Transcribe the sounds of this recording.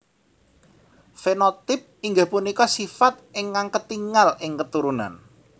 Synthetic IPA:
fenot̪ɪp̚iŋɡahpunikɔsifat̪̚ɪŋkaŋkət̪iŋalɪŋkət̪uɾuna̰n

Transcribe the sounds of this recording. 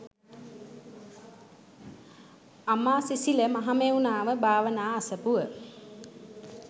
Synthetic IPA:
amaːsisiləmaɦameunaːʋəbʱaːʋənaːasəpuʋə

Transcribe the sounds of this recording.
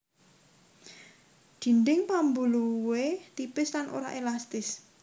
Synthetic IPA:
d̪̥i̤ndɪŋpambuluwet̪ipɪslanʔo̰ɾa̰ʔelast̪ɪs

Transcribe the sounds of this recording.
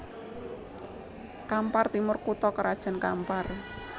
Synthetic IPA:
kampart̪imʊrkut̪ɔkəɾad̥ʒ̥a̤nka̰mpar

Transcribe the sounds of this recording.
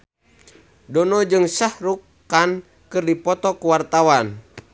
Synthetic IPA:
dɔnɔd͡ʒɨŋsahɾukː | an | kɨrdipɔt̪ɔkuwart̪awan

